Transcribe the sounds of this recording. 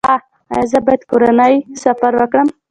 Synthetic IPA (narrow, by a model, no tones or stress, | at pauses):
a | a̰jazəbajad̪koɾanajsafaɾwəkɽəm